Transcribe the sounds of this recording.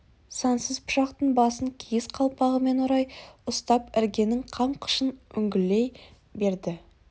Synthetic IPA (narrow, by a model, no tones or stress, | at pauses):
sɑnsəzpʰʊ̥ʃɑqt̪əɴbɑsəŋkʲʰejɪsqʰɑlˠpɑʁəme̞noɾɑjʊst̪ɑpɪɾɡʲe̞nɪŋqʰɑɴqʰə̥ʃənʏŋɡʲɪlːe̞j | be̞ɾd̪ɪ